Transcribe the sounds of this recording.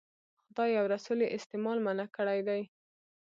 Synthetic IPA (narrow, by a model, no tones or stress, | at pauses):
xʊd̪ɑjːawɾasuleʔɪst̪ɪmɑlmanakəɽajd̪aj